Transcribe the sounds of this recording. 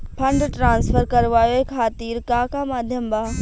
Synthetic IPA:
pʰɐ̃ɳɖʈɾãːnsfʰəɾkɐɾʋaːjoɦekʰaːt̪iːɾkaːkamaːd̪ʱjəmbaː

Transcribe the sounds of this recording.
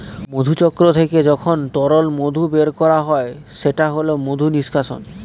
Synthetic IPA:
mod̪ʱut͡ɕɔkːɾot̪ʰeked͡ʑɔkʰonʈɔɾolmod̪ʱubeɾkɔɾaɦɔeʃeʈaɦolomod̪ʱuniʃkʰaʃo̰n

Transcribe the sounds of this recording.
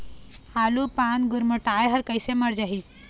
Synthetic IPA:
alupaːnɡuɾməʈaːjɦɐɾkəjseməɾd͡ʒaɦi

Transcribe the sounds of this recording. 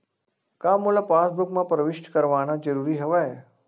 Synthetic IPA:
kamolapasbukmãpɾəʋɪʃʈkəɾʋanad͡ʒəɾuɾiɦəʋae

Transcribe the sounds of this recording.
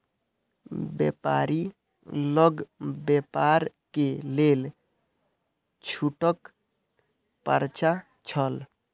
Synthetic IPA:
bḛpa̰ɾi | ləɡbepaɾkelel | t͡ʃʰuʈək | pə̰ɾt͡ʃa | t͡ʃʰəl

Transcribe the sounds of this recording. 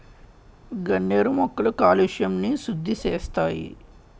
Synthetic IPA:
ɡɐnːeːɾumɔkːɐlukaːliʃjɐmnisud̪ʱːiseːst̪aːjḭ

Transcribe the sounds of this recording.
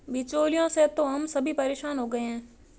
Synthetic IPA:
bɪt͡ʃoːlijõset̪oɦɐmsɐbʱipɐɾeːʃaːnɦoːɡɐeɦɛ̃ː

